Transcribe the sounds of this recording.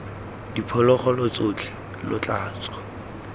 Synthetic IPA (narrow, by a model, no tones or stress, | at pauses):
dipʰɔlɔχɔlʊt͡sʼʊt͡ɬʰɪ | lʊt͡ɬʼaːt͡sʼɔ̥